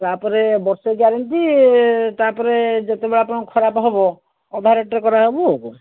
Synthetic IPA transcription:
t̪apɔɾebɔɾseɡaɾɔnt̪it̪apɔɾed͡ʒet̪ebeɭapɔɽɔ̃kʰɔɾapɦebɔ | ɔd̪ʱaɾɔʈːekɔɾaɦebok

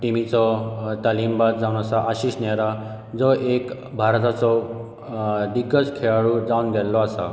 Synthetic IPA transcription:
ʈimit͡sɔt̪alimbad̪d͡zawñasaʔaɕiːɕnaɾa | d͡zɔʔek | bʱaɾt̪at͡sɔ | d̪iɡːəskʰeɭaɭud͡zawnɡ̪ɛlːɔasa

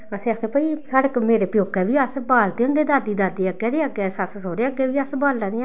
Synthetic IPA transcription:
əsẽkẽpəiːsəɽəkmeːɾeːpɪjoːkːɛːʋiːəsbaːlt̪eːʊ̃nd̪eːd̪aːd̪iːd̪aːd̪eəɡɛːd̪eːəɡɛːsəssoːɾeːəɡɛːʋiːəsbaːllãːneːãː

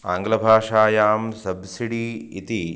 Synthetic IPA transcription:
aːŋɡlɐbʱaːʂaːjaːmsɐbsiɽiit̪i

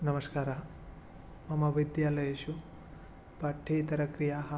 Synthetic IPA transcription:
nɐmɐskaːɾɐ | mɐmɐʋid̪jaːlɐjeʃu | pɐʈʰːiːt̪ɐɾɐkɾijaːɦɐ

